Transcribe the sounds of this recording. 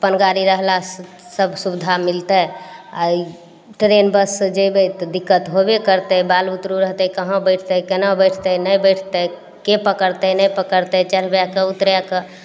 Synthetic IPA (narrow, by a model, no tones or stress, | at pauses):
pənɡaɾiɾəɦla | səbʱsubd̪ʱamilt̪əa | ʈɾenbəsd͡ʒebet̪ɔd̪ikːət̪ɦobekəɾt̪əbalut̪ɾuɾəɦt̪ɛkəɦə̃bəɪʈʰt̪əkenabəjʈʰt̪ənəjbəjʈʰt̪ə | kepəkəɾt̪ɛnəjpəkəɾt̪ɛt͡ʃəɾ̤bjakeut̪ɾjakə